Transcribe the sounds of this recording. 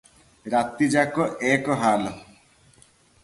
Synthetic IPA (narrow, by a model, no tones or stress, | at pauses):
ɾat̪id͡ʒakɔʔekɔɦalɔ